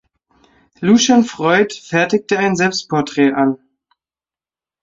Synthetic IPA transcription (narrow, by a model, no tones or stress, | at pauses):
luʃanfʁ̥ɔʏtfɛɐtɪk̚təaɪnzɛlpst̚pʰɔɐtʁ̥ɛːʔan